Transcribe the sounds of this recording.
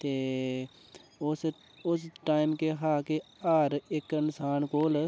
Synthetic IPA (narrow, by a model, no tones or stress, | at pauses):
t̪eː | ʊs | ʊsʈaːɪmkeɦaːkeaːɾekːənsaːnkoːl